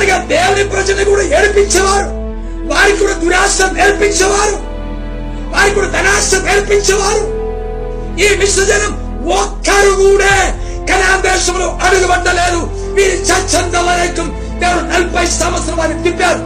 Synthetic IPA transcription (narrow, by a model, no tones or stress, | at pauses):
ɐɾiɡaːd̪eːʋɐnipɾɐd͡ʒɐlɐkuːɽaeːlpiɲt͡ʃːɐʋaːɾu | ʋaːɾikuːɽɐd̪uɾaːsɐmeːlpiɲt͡ʃɐʋaːɾu | ʋaːɾikuːɽɐd̪ɐnaːsɐmeːlpiɲt͡ʃːɐʋaːɾu | iːʋiʂʋɐd͡ʒɐnɐm | ɔkːɐɾuɡuːɽeː | kɐnaːd̪ɛːʂɐmloʔɐɽuɡɐbɐʈːɐleːd̪u | ʋiːɾut͡ʃɐt͡ʃːɐnd̪ɐʋɐlɐjkːɐm | d̪eːʋɐnuɐlpːɐjsɐmɐsɾɐʋaːnikt̪ipːaːɾu